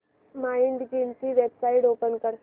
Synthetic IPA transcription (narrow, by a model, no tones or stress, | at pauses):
maiɳɖɡint͡ɕiʋebsaiʈoːpənkəɾ